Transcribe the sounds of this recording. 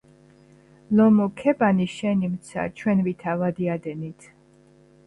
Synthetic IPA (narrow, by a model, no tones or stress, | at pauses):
lɔmɔkʰɛbaniʃɛnimt̪sʰa̰t͡ʃʰwɛnvit̪ʰavad̪iad̪ɛnit̪ʰ